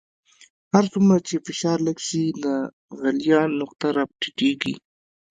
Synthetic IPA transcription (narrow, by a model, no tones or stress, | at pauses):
haɾsumɾat͡ʃefɪʃɑɾləɡʃilə | ɣaljɑnʊq̚t̪aɾap̚ʈiʈeɡḭ